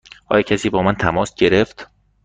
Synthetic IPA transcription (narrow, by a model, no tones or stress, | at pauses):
ʔɒ̰ːjecʰæsiːbɒːmænt̪ʰæmɒːsɟe̞ɾeft̪